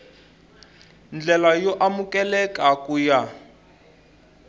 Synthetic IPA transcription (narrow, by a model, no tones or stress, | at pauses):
nd͡ɮɛlajɔʔamukɛlɛkakuja